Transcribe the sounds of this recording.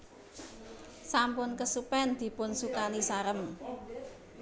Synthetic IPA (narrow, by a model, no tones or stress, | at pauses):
sampʊnkəsupɛnd̪̥i̤pʊnsukanisaɾəm